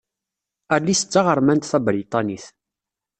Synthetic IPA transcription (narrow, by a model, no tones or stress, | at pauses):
ælːisə̥t͡sːɑʁəɾˤmænt̪θæbɾit̪ˤɑniθ